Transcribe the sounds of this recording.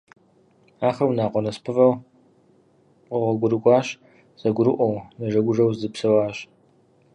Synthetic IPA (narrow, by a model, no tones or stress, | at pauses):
aːχɐwnaːqʷɔnɐspʰɨvɐw | qəʁʷɐɡʷʊɾɨkʷʼɑːɕ | z̥ɐɡʷʊɾɨʔʷɔwnɐʒɐɡʷʊʒɐwzzɨpsɐwaːɕ